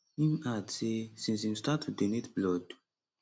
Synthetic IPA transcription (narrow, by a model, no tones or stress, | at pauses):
nĩmatesĩs̬ĩmstatʰudenetblɔd